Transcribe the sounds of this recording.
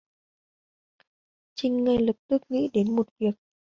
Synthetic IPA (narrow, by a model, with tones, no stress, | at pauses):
t͡ɕï˧˩ŋ̟ŋa˧˩jlɨ˨˩k̚t̪ɨ˦˥k̚ŋḭ˧˥ɗe˨˦nmo˨˩t̚vi˨˩ək̚